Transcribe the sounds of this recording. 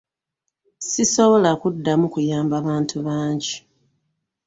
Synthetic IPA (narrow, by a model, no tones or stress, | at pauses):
sisoβo̞lakudːamukujaːmbaβaːntʰuβaːɲɟi